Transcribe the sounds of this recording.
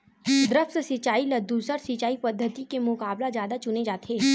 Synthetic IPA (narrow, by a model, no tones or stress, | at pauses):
d̪ɾəft̪sɪt͡ʃaːilɐd̪ːuːsəɾsɪt͡ʃaːipɐd̪ʱːət̪ikemʊkaːblazjaːd̪at͡ʃʊned͡ʒaːt̪ʰeː